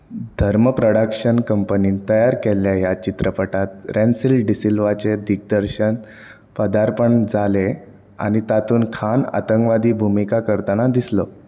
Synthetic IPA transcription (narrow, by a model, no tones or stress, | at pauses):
d̪ʱəɾməpɾoɽakɕənkəmpəniːnt̪əjaɾkeljajat͡ɕit̪ɾəpəʈat̪̚ɾʔensilɖisilʋat͡ɕed̪ʱik̚d̪əɾɕən | pəd̪aɾpəɳd͡zale | a̰ñit̪at̪uːnkʰana̰t̪əŋkʋad̪iːbʱumikakəɾt̪anad̪islə